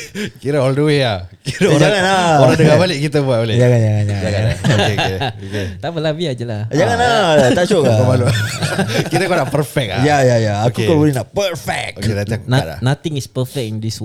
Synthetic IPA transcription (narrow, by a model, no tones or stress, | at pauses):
kiɾəɔlduwiakiɾəd͡ʒaŋanaoɾadəŋabalɪʔkit̪əbuat̪oled͡ʒaŋand͡ʒaŋãnd͡ʒaŋd͡ʒaŋanaokeoket̪apəlaviad͡ʒəlad͡ʒaŋanaat͡ʃoʔkapəbalu | kiɾəkanaʔpəɾfɛk̚ajajajaakukɔbolɛnaʔpəɾfɛk̚okedat̪aŋnaa̰nat̪ĩŋispəfɛk̚ind̪isw